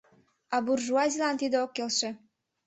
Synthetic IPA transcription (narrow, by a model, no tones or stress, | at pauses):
ɑburʒuɑzʲilɑnt̪id̪əokːelʃĕ